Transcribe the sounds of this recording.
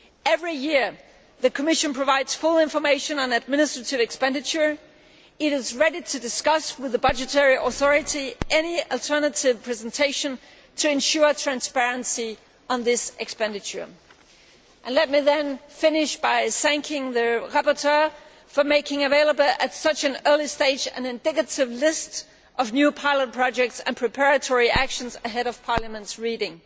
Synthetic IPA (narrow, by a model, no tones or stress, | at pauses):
ɛvɹijɪɹ | ðɨkʰəmɪʃɨ̃npʰɹ̥ɨvaɪdz̥fʊlˠɪ̃ɱfə˞meɪʃɨ̃nə̃nɨd̚mɪnɨstɹ̥ɨɾɨvɨkspɛ̃ndɨt͡ʃə˞ | ɪɾɨzɹɛɾiɾʰɨdɨskʌswɨðəbʌd͡ʒɨtʰɛɹiʔəθɔɹɨɾiʔɛniəl̩ˠtʰɜ˞nɨɾɪv̥pʰɹ̥ɛz̃n̩tʰeɪʃɨ̃n | tʰɨɨ̃nʃʊɹtʰɹ̥æ̃nspɛɹɨ̃nsi | ə̃nðɪsʔɨkspɛ̃ndɨt͡ʃə̰˞ | ʔɨ̃nlɛt̚miðɨ̃nfɪ̃nɪʃb̥aɪθæ̃ŋkʰɪ̃ŋðɨɹapə˞tʰɜ˞ | fə˞meɪkɪ̃ŋɨveɪlˠəbl̩ˠɨtsʌt͡ʃɨ̃nɜ˞lˠisteɪd͡ʒɨ̰̃nɨ̃ndɪkɨɾɪvlɪst | ʔʌvnjʉpʰaɪlˠət̚pʰɹ̥ɑd͡ʒɛk̚tsɨ̰̃npʰɹ̥ɨpʰɛɹɨtʰɔɹiʔækʃɨ̃n̩zɨɦɛɾʌv̥pʰɑɹləmə̃ntsɹiɾɪ̃ŋ